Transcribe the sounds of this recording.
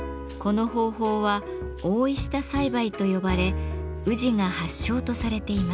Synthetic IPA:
ko̞no̞ɦo̞ːɦo̞ːβa | oːiɕi̥t̪asaibait̪o̞jo̞baɾe̞ | ɯ̟ʑiŋahaɕːo̞ːt̪o̞saɾe̞t̪e̞ima

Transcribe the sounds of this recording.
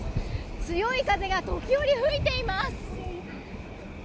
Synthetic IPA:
t͡sɨjo̞ikaze̞ɡat̪o̞kʲijo̞ɾʲiɸɯ̟it̪e̞imasɨ̥

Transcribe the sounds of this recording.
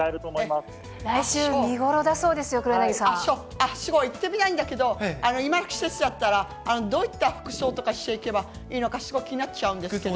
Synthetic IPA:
aeɾɯ̟t̪oːmoemas | ɾaiɕɨːmʲiɡo̞ɾo̞d̪aso̞ːd̪e̞sɨjo̞kɯ̟ɾɯnaɡisãasoː | aɕɨɡo̞it̪ːe̞mʲit̪aĩnd̪ake̞d̪o̞ano̞imakʲi̥se̞sɨd̪at̪ːaɾaː | no̞d̪o̞ːit̪ːaɸɯ̟̥kɯ̟̥ɕo̞ːt̪o̞kaɕi̥t̪e̞ike̞ba | iːno̞kaɕiɡo̞kʲiɲ̟ĩnat͡ɕːt͡ɕaɯ̟̃nd̪eke

